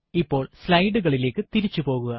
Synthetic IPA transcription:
ipːo̞ːɭslɐjɖuɣɐɭile̞ːkːɨt̪iɾit͡ɕːupo̞ːɣuɣɐ

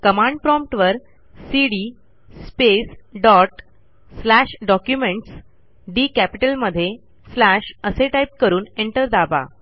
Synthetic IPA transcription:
kəmãɳɖ̚pɾɔmp̚ʈʋəɾ | siɽiː | spesɖɔʈː | læɕɖɔkjumeɳʈs | ɖiːkæpiʈəlməd̪ʱːje | slæɕəseʈajp̚kəɾuːneɳʈəɾd̪aba̰

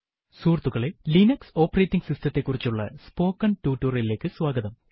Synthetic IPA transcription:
suːrt̪ːuɣɐɭelinɐkso̞ːpɐreːtːiŋɡsistɐt̪ːe̞kːurit͡ɕːuɭːɐ̰spo̞ːkːɐntuːtːuːrile̞ːkːɨswaːɡɐðɐm

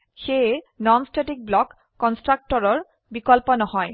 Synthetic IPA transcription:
xe | nɔnsʈeʈik̚blɔkː | ɔnsʈɾak̚ʈɔɾɔɹ | bikɔlponɔɦɔe

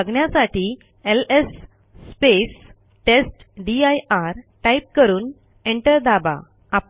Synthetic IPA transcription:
əɡɳjasaʈiː | elesː | pes | ʈesʈɖiajaɾʈajp̚kəɾuːn | eɳʈəɾd̪aba̰ | ap

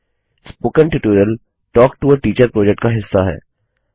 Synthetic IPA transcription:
spoːkə̃nʈɪʈoːɾiəl | ʈɔːkʈuːəɾʈiːt͡ʃəɾpɾoːd͡ʒɛk̚ʈkaɦɪsːaɦɛ̰ː

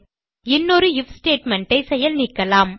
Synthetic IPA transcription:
ɪnːɔɾɯjɪfsʈeːʈmɛɳʈɐɪsɛjɐlnikːɐlaːm

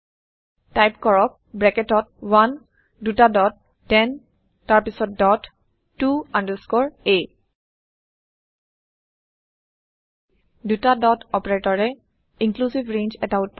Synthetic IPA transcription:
tajpkɔɹɔk̚ | bɹɛkɛtɔt̚wan | dutadɔt̚ː | ɛn | taɹpisɔt̚dɔtː | uandəskɔɹe | dutadɔtɔpɛɹetɔɹɛ | iŋklusivɹend͡ʒɛtaʊt̚p

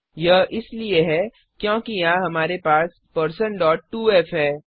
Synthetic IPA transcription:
jɐɦʔɪslieɦɛː | kjõːkijɐãɦɐmaːɾepaːs | pɐɾsənɖɔːʈ̚ːuːɛːfɦɛː

